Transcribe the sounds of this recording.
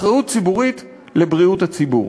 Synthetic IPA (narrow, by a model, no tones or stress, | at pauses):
χʁaut̚t͡sibuʁit | lebʁiuthat͡sibṵʁ